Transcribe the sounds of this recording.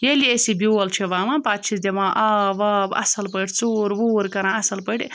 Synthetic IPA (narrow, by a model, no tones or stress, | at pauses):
jeːliesibʲuɐlt͡ʃʰeʋaːmãpaːt̪̚t͡ʃʰisd̪ʲemãːʔɐʋɐbɐ̰sɐlpəʈʰʲt͡suːɾbuːɾkɐɾãɐsɐlpəʈʲ